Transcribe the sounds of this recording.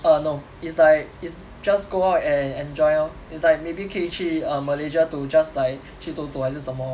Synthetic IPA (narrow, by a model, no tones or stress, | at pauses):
ano | itslaɪk̚its | d͡ʒasɡoaʊtɛ̃nɛ̃nd͡ʒɔɪã | itslajk̚mebikʰet͡ʃiə̃məled͡ʒətud͡ʒaslaɪk̚ | ʃitotuhas̬usãmɔ